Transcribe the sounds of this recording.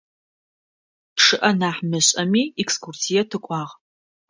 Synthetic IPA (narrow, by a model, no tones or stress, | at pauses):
ʈ͡ʂʰɨʔɐnaːħmɨɕʼɐmiːɛkskʰursijɛtʰɨkʷʼɑːʁ